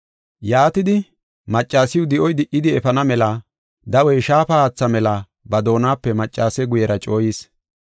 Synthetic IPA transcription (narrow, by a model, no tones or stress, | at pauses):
jaːt̪ɪd̪ɪ | mɐt͡ʃʼːaːsɪjwʊd̪ɪʔɔjd̪ɪʔɪd̪ɪɛfɐnɐmɛlɐ | d̪ɐwɔjʃaːpɐaːt͡sːɐmɛlɐ | bɐd̪o̞ːnaːpːɛmɐt͡ʃʼːaːsɛɡʊjɛɾɐt͡ʃʼo̞ːjiːs